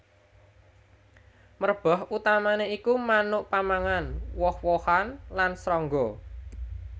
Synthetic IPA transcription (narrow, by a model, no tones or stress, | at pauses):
mərb̥ɔ̤ɦut̪amaneikumanʊʔpamaŋanwɔhwɔhanlansɾɔŋɡɔ